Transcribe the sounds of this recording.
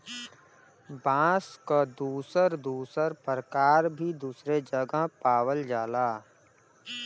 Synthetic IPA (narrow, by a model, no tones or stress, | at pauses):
bãːskad̪uːsəɾd̪uːsəɾpɾkaːɾbʱid̪uːsɾed͡ʒəɡəɦpaːwəld͡ʒaːlaː